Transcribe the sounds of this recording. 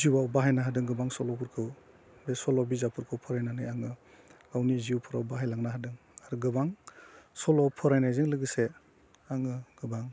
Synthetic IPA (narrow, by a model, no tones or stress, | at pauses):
ziwawbaɦajnaɦadɯŋɡɯbaŋsɔlɔpʰuɾkʰɯw | besɔlɔbizapʰuɾkʰɯwpʰɔɾajnanɯjaŋɯ | ɡawniziuwpʰɔɾawbaɦajlaŋnaɦadɯŋ | aɾɡɯbaŋsɔlɔwpʰɔɾajnajzɯŋlɯɡɯse | aŋɯɡ̥ɯbaŋ